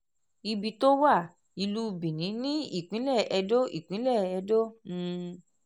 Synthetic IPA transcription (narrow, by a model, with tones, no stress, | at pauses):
i˧bi˧to˦wa˦˨ | i˧lu˦bĩ˨nĩ˨˦nĩ˦ḭ˦˨k͡pĩ˨˦lɛ˦˨ɛ˧do˦ḭ˦˨k͡pĩ˨˦lɛ˦˨ɛ˧dõ˦˧